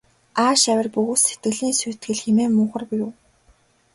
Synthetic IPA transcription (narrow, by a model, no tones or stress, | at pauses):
aːʃæwʲɪ̆rpuɣuse̥t̪ɡɘ̆ɮiːnsuːt̪ɡɘ̆ɮxemeːmʊːχə̆rpujʊː